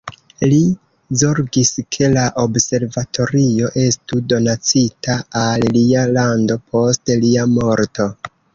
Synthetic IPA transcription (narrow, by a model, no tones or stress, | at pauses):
li | zo̞ɾɡiskʰe̞laʔobse̞ɾvatʰo̞ɾio̞ʔe̞studo̞nat͡sitaalːialando̞pʰo̞stliamo̞ɾto̞